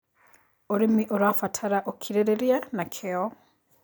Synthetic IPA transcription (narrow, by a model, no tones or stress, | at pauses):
oɾimiʔoɾafatʰaɾaʔokʰiɾeɾeɾianakʰeɔ